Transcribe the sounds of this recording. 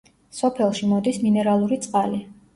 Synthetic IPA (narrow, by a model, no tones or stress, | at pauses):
sɔpʰɛlˠʃimɔd̪isminɛɾalˠuɾit̪sʼqʼali